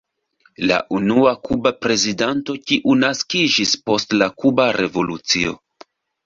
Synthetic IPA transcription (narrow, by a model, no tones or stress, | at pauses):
la̰ʔunuakubapɾe̞zidanto̞kiʔunaskid͡ʒispo̞stlakubaɾʔe̞vo̞lut͡sio̞̰